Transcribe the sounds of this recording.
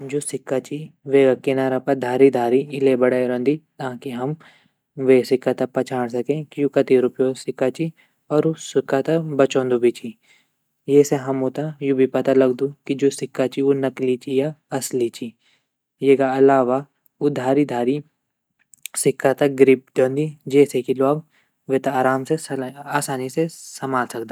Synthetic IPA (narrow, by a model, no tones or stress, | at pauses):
d͡ʒoːsɪkːat͡ʃiʋeːɡakɪnaːɾapɐd̪ʱaːɾid̪ʱaːɾiɪlebɐɽaɾɐ̃nd̪it̪ãːkiɦɐm | ʋeːsɪkːat̪apɐt͡ʃʰaːɽ̃s̬ɐkẽkjũkɐt̪iɾʊpjosɪkːat͡ʃi | ɔːɾosɪkːat̪abɐt͡ʃõːnd̪ubʱit͡ʃi | jeːseɦɐmot̪ajubʱipɐt̪alɐɡd̪ukid͡ʒoːsɪkːat͡ʃionɐklit͡ʃijaɐslit͡ʃi | jekaɐlaːʋa | ʊd̪ʱaːɾid̪ʱaːɾi | sɪkːat̪aɡɾip̚d̪õːnd̪id͡ʒɛːsekilaːɡ | ʋet̪aaːɾaːmseaːsaːnisesɐmaːlsɐk̚d̪a